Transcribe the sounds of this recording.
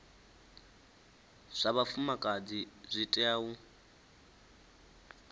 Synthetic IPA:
ʂaβafumakʼad͡zizʷitʼaːwu

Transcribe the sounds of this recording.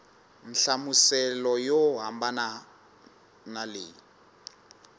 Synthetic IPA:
n̩ɬamusɛlɔjɔɦambana | nalḛːji

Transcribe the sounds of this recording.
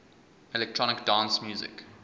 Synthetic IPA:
ɛlɛk̚tʰɹ̥ɔñɪkd̥ãnsmjuːzɪ̰k

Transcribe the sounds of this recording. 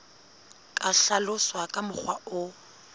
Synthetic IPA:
kʼaɬalʊswakʼamʊk͡xwaʊ

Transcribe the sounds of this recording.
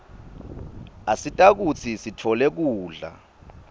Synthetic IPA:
asitʼak̬ut͡sʰisitʰɔlɛk̬uːɮa̰

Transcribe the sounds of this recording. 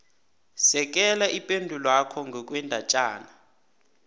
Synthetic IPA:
sɛk̬ʼɛlaʔipʼendʱulakʰɔŋɡʱɔk̬ʼwɛndʱat͡ʃʼaːna

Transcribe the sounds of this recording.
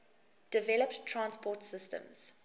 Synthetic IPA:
d̥ɪvɛləpttʰːɹãnspʰɔtsɪstə̰̃mz̥

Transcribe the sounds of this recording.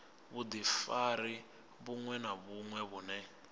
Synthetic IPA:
βud̪ifaɾi | βuŋwɛnaβuŋwɛβunɛ

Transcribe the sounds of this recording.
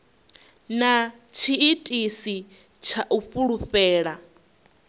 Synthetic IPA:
na | t͡ʃʰiːtʼisi | t͡ʃʰaʔufuɺufɛːɺa

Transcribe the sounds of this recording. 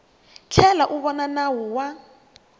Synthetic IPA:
t͡ɬʰɛlaʔuβɔnanawɔwa

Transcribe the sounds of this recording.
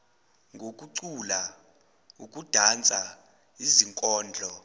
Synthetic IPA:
ŋɡʱok̬ʼuǀula | ukʼud̥ʱant͡sʼa | iziŋkʼɔːnd͡ɮʱɔ

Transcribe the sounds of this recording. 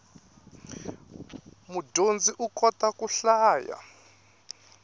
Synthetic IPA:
mudʱond͡ziʔukɔtakʼuɬaːja̰

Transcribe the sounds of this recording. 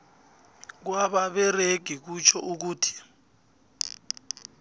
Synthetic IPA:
k̬waɓaɓɛreɡ̥ʱik̬ut͡ʃʰɔʔuk̬uːtʰi̥

